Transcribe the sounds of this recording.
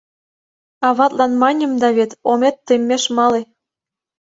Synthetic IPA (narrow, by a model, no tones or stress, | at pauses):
ɑβɑt̪lɑnmɑnʲə̆md̪ɑβet̪omet̪ːemʲːeʃmɑle